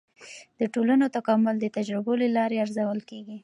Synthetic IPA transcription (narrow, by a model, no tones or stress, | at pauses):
d̪̥əʈolanot̪akɑmʊld̪ət̪ad͡ʒɾɪbolelɑɾeaɾzawəlkeɡi